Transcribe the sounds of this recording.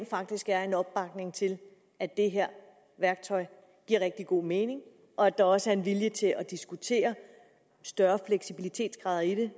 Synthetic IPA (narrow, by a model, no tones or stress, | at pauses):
nfɑ̈ɡ̥̚d̥isɡ̥æɐe̝nɒ̽b̥ːɑ̈ɡ̥ne̝ŋt͡sʰe̝l | æd̥e̝ɦeɐ̰ | ʋæɐɡ̥t͡sʰɒ̽ɪ | ɡ̥iɐ̰ʁeɡ̥̚d̥iɡ̥o̝̰ːme̝ːne̝ŋ | ʔɒ̽æd̥ɑ̈ɒ̽səæɐenʋiljət͡sʰe̝lɒd̥isɡ̥ut͡sʰe̝̰ːɐ | sd̥ɶɐfleɡ̥sib̥ilit͡sʰe̝̰ːd̥sɡ̥ʁɑ̈ːð̞ˠɐid̥e̝